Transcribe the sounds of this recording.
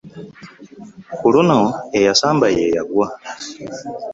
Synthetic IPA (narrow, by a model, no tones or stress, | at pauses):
kulunoejasaːmbajejaɡwa